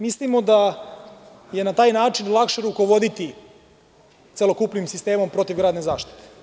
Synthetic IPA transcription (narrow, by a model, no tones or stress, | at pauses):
mislimo̞d̪a | je̞nat̪aːjnaːt͡ʃinlˠakʃe̞ɾuko̞ʋo̞d̪it̪i | t̪se̞lo̞kuplimsist̪e̞ːmo̞mpɾo̞t̪iʋɡɾaːd̪nezaːʃt̪i̥t̪e̥